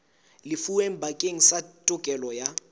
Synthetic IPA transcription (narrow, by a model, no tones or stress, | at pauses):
lɪfuwem̩bʱakʼeŋ̩satʼʊkʼɛlɔja